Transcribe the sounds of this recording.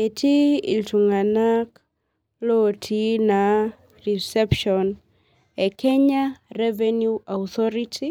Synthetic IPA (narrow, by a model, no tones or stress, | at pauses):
etʰiḭltuŋanak | lɔtʰina | risɛpʃɔn | ɛkʰɛɲarɛvɛnjuaut̪ɔɾitʰi